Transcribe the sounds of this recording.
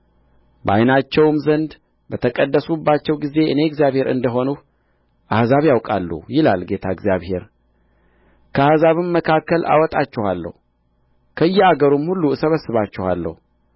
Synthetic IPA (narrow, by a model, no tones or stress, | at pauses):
ba̰jnat͡ʃːɛwmzənd̪ | bət̪ʰəkʼəd̪ːəsubːat͡ʃːɛwɡize̞ʔɨne̞ɡzjaβhe̞ɾɨ̰nd̪əɦo̞nu | ʔahzaβjawkʼa̰lːṵjɪlalɡe̞t̪ʰaɪɡzjaβhe̞ɾ | kʰəahzaβɨmːəkʰakːəlʔa̰wɔt̪ʼat͡ʃːɛwalːə̰hu | kʰəɨjːɛaɡəɾumhulːuɨsəβəsɨβat͡ʃːɛha̰lːə̰hu